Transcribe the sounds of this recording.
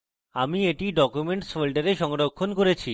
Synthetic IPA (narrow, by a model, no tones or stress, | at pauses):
amieʈiɖɔkumeɳʈsfolɖeɾeʃɔŋɾokʰːonkoɾet͡ɕʰi